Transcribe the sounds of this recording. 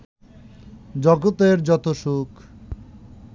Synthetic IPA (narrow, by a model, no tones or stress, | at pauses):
d͡ʑɔɡot̪eɾd͡ʑɔt̪oʃuk